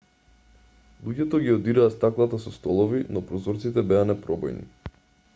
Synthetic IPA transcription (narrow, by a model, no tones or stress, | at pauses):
lˠuɟɛt̪ɔɡiɔd̪iɾaːst̪aklˠat̪asɔst̪ɔlˠɔvinɔpɾɔzɔɾt̪sit̪ɛbɛanɛpɾɔbɔ̰jnḭ